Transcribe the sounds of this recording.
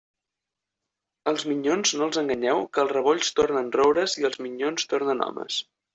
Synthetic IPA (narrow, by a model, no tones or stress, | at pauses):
əlˠzmiɲonznoəlˠzəŋɡəɲɛwkəlˠzrəβ̞oʎst̪ornənrowɾəziəlˠzmiɲonst̪ornənɔ̰mə̰s